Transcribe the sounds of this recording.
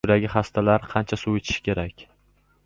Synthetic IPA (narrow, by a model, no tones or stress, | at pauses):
ʊd̪aɡʲɪχast̪ʰalaɾqʰɑnt͡ʃʰasuwet͡ʃ̪ʰɪ̥ʃɪ̥kʲʰe̞ɾakʲ